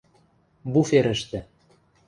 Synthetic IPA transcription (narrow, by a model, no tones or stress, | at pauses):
bufeɾɘ̆ʃt̪ɘ̆